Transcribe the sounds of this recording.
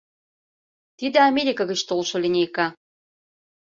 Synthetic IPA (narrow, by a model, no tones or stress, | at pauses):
t̪id̪ĕamʲeɾʲikəɣət͡ɕt̪olʃŏlʲinʲejkɑ